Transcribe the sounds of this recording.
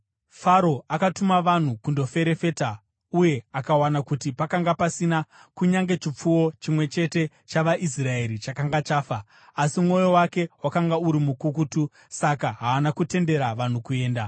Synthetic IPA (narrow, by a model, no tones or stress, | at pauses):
faɾo̞akatumaʋan̤ukundo̞fe̞ɾe̞fe̞ta | uje̞akawanakutipakaŋɡapasinakuɲaŋɡe̞t͡ʃip͡fuwo̞t͡ʃimwe̞t͡ʃe̞te̞ | t͡ʃaʋaʔis̬rae̞ɾit͡ʃakaŋɡat͡ʃaːfaː | simŋo̞jo̞wake̞wakaŋɡauɾimukukutu | sakaɦaːnakute̞nde̞ɾaʋan̤ukue̞ːnda